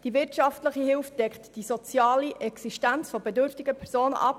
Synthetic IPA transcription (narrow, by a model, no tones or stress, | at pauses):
d̥ivɪɾtʃɑftləχihɪlftd̥ɛkχtd̥isɔt͡sjɑːliʔɛksiʃtænt͡sfɔbɛdʏɾftɪɡəpʰɛɾsoːnə̰ʔɑ̰p